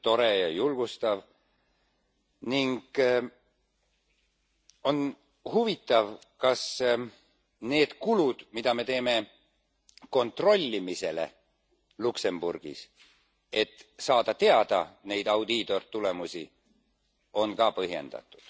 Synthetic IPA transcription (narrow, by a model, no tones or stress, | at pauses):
t̪o̞ɾe̞jɑjulɡ̥ust̪ɑv | niŋɡ̥ | o̞n | huvit̪ːˑɑv | kɑs | ne̞ːd̪̥kulud̪̥mid̪̥ɑme̞t̪e̞ːme̞ | ko̞nt̪ro̞lʲːimise̞le̞̰ | lukse̞mb̥ṵrɡ̥ḭs | e̞t̪ːsɑːd̪̥ɑt̪e̞ɑd̪̥ɑ̰nejd̪̥ɑwd̪it̪o̞rt̪ːule̞musi | o̞nkɑpɤɦje̞̰nd̪̥ɑ̰t̪ːˑu̥d̪̥